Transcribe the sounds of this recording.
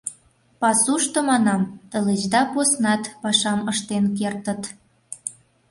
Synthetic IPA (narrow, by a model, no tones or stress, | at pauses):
pɑsuʃt̪omɑnɑmt̪ə̆let͡ɕd̪ɑposnɑt̪pɑʃɑməʃt̪enkert̪ə̆t̪